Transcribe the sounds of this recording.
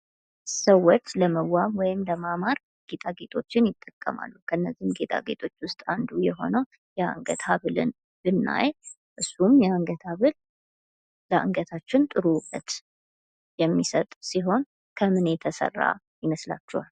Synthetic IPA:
səwːɔt͡ʃləməwːamwɔjɪmləmamaɾ | ɡ̥et̪ʰʼaɡe̞t̪ʰo̞t͡ʃːɪnjɪt̪ʼːəkʼːəma̰lːukʰəɨnːəzːimɡe̞t̪ʼa̰ɡe̞t̪ʰo̞t͡ʃːwʊst̪ʼand̪ujɛɦo̞̰nəw | jɛaa̰ŋɡət̪aβɨlɨ̰n | bɨnːa̰j | ʔɨsːumjɛaŋɡət̪ʰaβɨl | ləa̰ŋɡət̪ʰat͡ʃːɪnt̪ʼɨɾukʼət̪ | jɛmːisət̪ʼsiɦo̞n | kʰəmɨnet̪ʰəsə̰rːa̰ | jɪməsla̰t͡ʃːɛhal

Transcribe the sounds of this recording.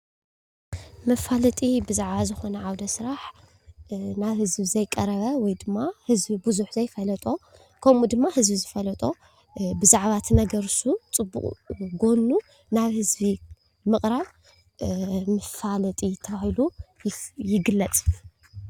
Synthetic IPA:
mɐfalɐt̪ʼibɨzaʕβazɨxo̞nɐʕawd̪ɐsɾaħ | naβhɨzbizɐjkʼɐɾɐβɐwɔjd̪ɨmːahɨzbibuzuħzɐjfɐlɐt̪ʼo̞ | kʰɐmud̪ɨmːahɨzbizɨfɐlɐt̪ʼo̞ | bɨzaʕβat̪ʰnɐɡɐɾsut͡sʼɨbːṵχʼɡo̞nːu | naβhɨzbi | mɨχʼɾaβ | mɨfalɐt̪ʼit̪ʰɐβahilu | jɪɡɨlːɐt͡sʼ

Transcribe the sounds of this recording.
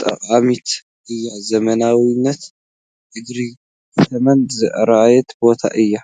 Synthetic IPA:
t̪ʼɐ̰qʼamit̪ʰ | ʔɨjːazɐmɐnawinːɐt̪ | ʔɨɡɾi | kʰɐt̪ʰɐmɐnzɨʔɾaajɛt̪bo̞t̪ʰa̰ʔɨjːa

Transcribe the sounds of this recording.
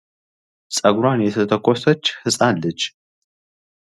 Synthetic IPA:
sʼɐɡɾanjɛt̪ʰɐt̪ʰəkʷʰʼːosɐt͡ʃːhɨsʼanlɨd͡ʒ

